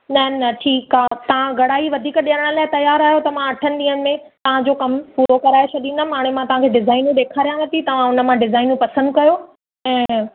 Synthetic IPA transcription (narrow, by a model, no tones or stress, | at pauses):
nɐɦnɐʈʰiːkaːt̪ɐʋ̤ãɡʱɐɽaːiʋɐd̪ʱiːkɗiəɾəɽ̃ə̆laːɪt̪ɐjaːɾaːɦjot̪ɐm̤ãɐʈʰənɪ̆ɗ̪ĩːəɽ̃ɪ̆mẽ | t̪ɐʋ̤ãd͡ʑoːkɐmpuːɾokɐɾaːet͡ɕʰɐɗ̪inɐmaːɽ̃emãt̪ɐʋ̤ãkʰeɖɪzaːɪnũɗeːkʰaːɾijãʋɐt̪it̪ɐʋ̤ãʊnə̆mãɖɪzaːɪnũpɐsə̃nd̪̚kɐjo | ɛ̃ː